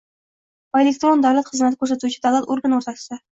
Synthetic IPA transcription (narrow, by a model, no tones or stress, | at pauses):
elʲek̚t̪ɾo̞nd̪awlat̪χɨzmat̪ɪkʰʲɵɾsat̪ut͡ʃʰɪd̪awlat̪oɾɡanoɾt̪ʰat̪st̪a